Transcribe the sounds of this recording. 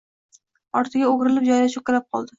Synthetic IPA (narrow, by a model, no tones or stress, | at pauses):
ɒɾt̪ʰɪɡʲaoɡʲɾɪlɪp̚d͡ʒɒjlaʃʊkʲalap̚qʰɒ̰lˠd̪ɪ